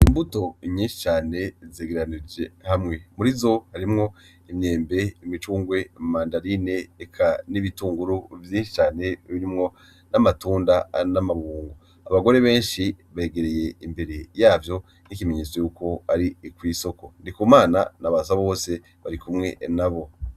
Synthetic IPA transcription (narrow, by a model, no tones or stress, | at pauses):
imbuto̞ɲĩːnʃi̥t͡ʃaːne̞zeːɡeɾanid͡ʒehamŋe̞muɾizo̞haɾimŋo̞ | imɲe̞ːmbe̞imit͡ʃuːŋɡwe̞maːndaɾine̞ːkʰaniβituːŋɡuɾuvjiːnʃi̥t͡ʃaːne̞βiɾimŋo̞ | namatuːndanamaβuːŋɡo | aβaɡo̞ɾe̞βe̞ːnʃi | βe̞ːɡeɾeje̞imbe̞ɾe̞jaːvjo̞ | nikimeɲeːsojuːko̞aɾikwiːso̞ko̞ndikumaːna̰naβaːzaβo̞ːse̞ | βaɾikumŋe̞̰naβo̞